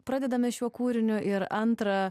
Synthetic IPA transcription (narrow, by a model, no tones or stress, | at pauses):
pɾɑːd̪ʲɛd̪ɐmʲɪʃʲuɔkuːɾʲɪnʲʊʔɪɾɐnt̪ɾɐ